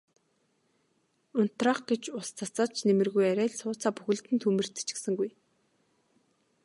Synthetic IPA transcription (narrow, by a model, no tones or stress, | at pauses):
ʊn̥t̪raːχɡet͡ɕʊst͡sʰat͡sə̆t͡ɕʰnemɘ̆rɣujæɾʲæːɮsʊːt͡saːpuxɘ̆ɮt̪ɘnt̪ʰumɘ̆r̥t̪ɘ̥t͡ɕɪ̥̆sɘ̆ŋɡuj